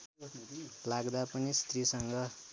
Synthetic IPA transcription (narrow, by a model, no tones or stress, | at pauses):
laɡd̪apʌnist̪risʌŋɡʌ